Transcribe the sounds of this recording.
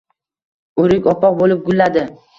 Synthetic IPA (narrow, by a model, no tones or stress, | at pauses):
ɵɾɪkʲɒpɒq̚bolɪp̚ɡʊlːad̪ɪ